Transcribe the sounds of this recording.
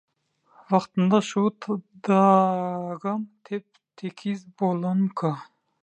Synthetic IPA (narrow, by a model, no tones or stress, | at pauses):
vaχt̪ənd̪aʃut̪d̪a | ɡamt̪ʰep̚ | t̪ʰekʰizbolankʰa